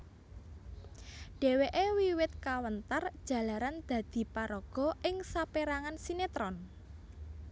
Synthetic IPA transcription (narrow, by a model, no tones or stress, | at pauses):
ɖ̥e̤weʔewiwɪt̪̚kawənt̪ərd̥ʒ̥a̤laɾand̪̥ä̤d̪̥i̤paɾɔɡ̥ɔ̤ʔɪŋsapeɾaŋansinet̪ɾɔn